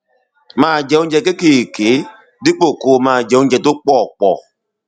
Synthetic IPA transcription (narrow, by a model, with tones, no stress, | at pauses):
mãː˨d͡ʒɛ̃˨˦ũ˦d͡ʒɛ˧ke˦ke˨ke˨˦ | di˦k͡po˦˨koː˨˦˨mãː˨d͡ʒɛ̃˨˦ũ˦d͡ʒɛ˧to˦k͡pɔː˦˨k͡pɔ˨